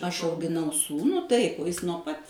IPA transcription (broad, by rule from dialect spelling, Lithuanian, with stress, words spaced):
ˈɐʃ ɐʊɡʲɪˈnɐʊ ˈsuːnuː ˈtɐɪp oː ˈjɪs nuɔ ˈpɐt